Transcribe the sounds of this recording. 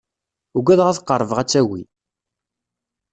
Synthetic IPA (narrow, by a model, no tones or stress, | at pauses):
uɡʷæðʁæθqːəɾˤːəvəʁæt͡sːæwḭ